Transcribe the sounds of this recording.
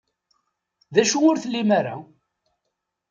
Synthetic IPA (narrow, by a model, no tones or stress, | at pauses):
ðæʃuʊɾθlːimaɾa